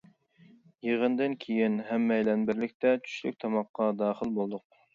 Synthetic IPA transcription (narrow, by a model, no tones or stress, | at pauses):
jeʁənd̪ɨnkʲʰejinɦɛmːɛjlɛnbɪɾlɪkʲt̪ʰɛt͡ʃʰy̥ʃly̰k̚ʲt̪ʰɑmɑqːɑd̪ɑːχəlˠbolˠd̪ʊq̚